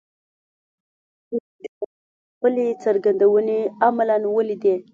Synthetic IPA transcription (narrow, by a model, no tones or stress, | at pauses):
d̪ | pəlet͡səɾɡand̪awəneamlanwəlid̪e